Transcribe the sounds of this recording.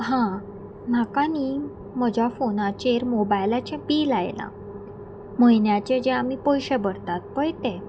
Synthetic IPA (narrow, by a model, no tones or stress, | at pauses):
ɦã | m̤akani | m̤əd͡ʑʱjafonat͡ɕeɾmobajlat͡ɕɛ̃piːlajla̰ | məjnjat͡ɕed͡ʑɛamipɔjɕɛbəɽt̪at̪̚pəjt̪ɛ